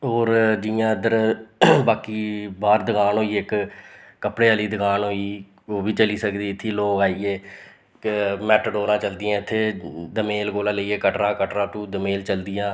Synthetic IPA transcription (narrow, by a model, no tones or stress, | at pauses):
ɦoːɾd͡ʒɪjãːəd̪əɾbaːkiːbaːɾd̪əɡaːnɦoːiːɪkː | əpɽeːəliːd̪əɡaːnɦoːiː | oːbʱiːt͡ʃəliːsəkd̪iːɪt̪ʰːiːloːkaːiːeː | mɛːʈɖoːɾãːt͡ʃəld̪ɪjãːɪt̪ʰːeːd̪əmeːlɡoːlãːləiːeːkəʈɾãːkəʈɾãːt̪ũːd̪əmeːlt͡ʃəld̪ɪjãː